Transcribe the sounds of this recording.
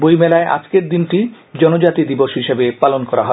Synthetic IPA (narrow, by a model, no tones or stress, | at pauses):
bojmɛlaeʔa̰d͡ʑkeɾd̪inʈi | d͡ʑɔnod͡ʑat̪id̪iboʃɦiʃebepalonkɔɾa̰ɦɔe